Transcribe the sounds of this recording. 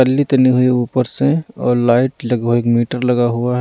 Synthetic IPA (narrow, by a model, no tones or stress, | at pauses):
əlːit̪ɐniɦʊiuːpəɾseɔ̰ːɾlaːɪʈləɡɦoeːkmiːʈəɾlɐɡaɦuaɦ